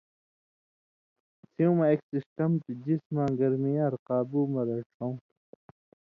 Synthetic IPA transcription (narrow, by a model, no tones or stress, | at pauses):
siũmɐeksisʈɐmt̪id͡ʑismãːɡɐɾmiaɾqaːbuːmɐɾɐʈʰõw̃